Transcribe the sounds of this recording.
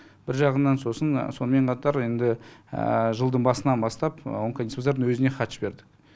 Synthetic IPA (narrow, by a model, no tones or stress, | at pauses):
b̥ɪɾʒɑʁənːɑnso̞sənso̞nəme̞ɴqʰɑt̪ɑɾe̞nd̪ɪə̰ʒəlˠd̪əɴbɑsənɑnbɑst̪ɑpwoŋkanispozeɾd̪əŋwɵzɪne̞χɑt̪ʃbe̞ɾd̪ɪ̥k̚